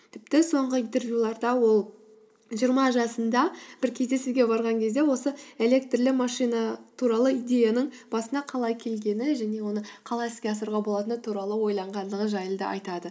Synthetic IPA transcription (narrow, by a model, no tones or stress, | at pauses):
t̪ʰɪp̚t̪ɪso̞ɴʁəijnt̪e̞rvjulˠɑɾd̪ɑwo̞lˠ | ʒijəɾmɑʒɑsənd̪ɑb̥ɪɾkʲʰe̞zd̪e̞suɡʲe̞bɑɾʁɑŋkʲʰe̞zd̪e̞wo̞səe̞le̞k̚t̪rlɪmɑʃijnɑt̪ʰuɾɑlˠəijd̪ʲe̞janəɴb̥ɑsənd̪ɑqʰɑlˠɑjkʲʰe̞lɡʲe̞nɪʒæne̞wo̞nəɴqʰɑlˠɑeskʲeɑsəɾʁɑbo̞lˠɑt̪ənət̪ʰuɾɑlˠəwo̞jlˠɑɴʁɑnd̪əʁənʒɑjəlˠd̪ə̰ʔɑ̰jt̪ɑd̪ə